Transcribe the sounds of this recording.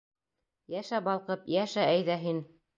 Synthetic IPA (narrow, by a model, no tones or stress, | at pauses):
jæʃæbɑlˠqɤpjæʃææjðæɦin